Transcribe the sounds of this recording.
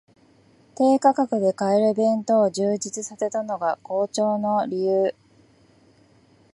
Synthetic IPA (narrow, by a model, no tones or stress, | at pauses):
t̪e̞ːkakakɯ̟d̪e̞kaeɾɯ̟bẽ̞nt̪o̞ːʑɨːd͡ʑit͡sɨsase̞t̪ano̞ɡako̞ːt͡ɕo̞ːno̞ɾʲijɯː